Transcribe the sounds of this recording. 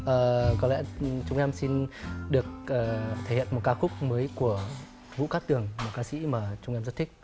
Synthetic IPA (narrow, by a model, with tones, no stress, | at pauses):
ʔəː˨˩kɔ˨˦lɛ̰˧˥t͡ɕʊ˧wŋ͡mʔɛ˧msi˧nɗɨ˨˩ək̚ʔəː˨˩t̪ʰe˧˩hḭ˧˨ənm˨˩t̚kaː˧xʊ˦˥k͡p̚məː˨˦jku˧˩ə | vṵ˧˨ka˦˥t̪ɨ˨˩əŋmo˨˩t̚kaː˧sḭ˧˥maː˨˩t͡ɕʊ˧ŋ͡mʔɛ˧mzə˦˥t̚t̪ʰi˦˥k̚